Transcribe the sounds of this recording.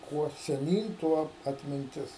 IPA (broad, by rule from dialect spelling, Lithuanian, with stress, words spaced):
ˈkuɔ sʲɛˈnʲiːn ˈtuɔ ɐtʲmʲɪnʲˈtʲɪs